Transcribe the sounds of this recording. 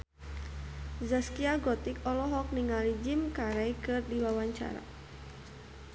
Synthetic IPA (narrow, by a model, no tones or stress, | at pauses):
zaskiaɡɔt̪ɪkɔlɔɦɔk̚niŋalid͡ʒɪmkaɾɛjkɨrdiwawaɲt͡ʃa̰ɾa̰